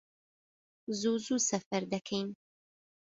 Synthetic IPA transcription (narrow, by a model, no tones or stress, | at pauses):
zuzusafaɾd̪akʰajn